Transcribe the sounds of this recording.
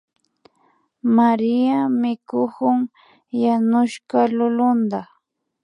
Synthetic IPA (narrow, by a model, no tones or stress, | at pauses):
maɾɪamɪkʊkʊŋ | janʊʃkalʊlʊnd̪a